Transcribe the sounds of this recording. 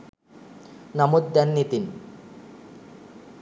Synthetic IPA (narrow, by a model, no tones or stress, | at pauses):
namud̪̚ːɛnːit̪in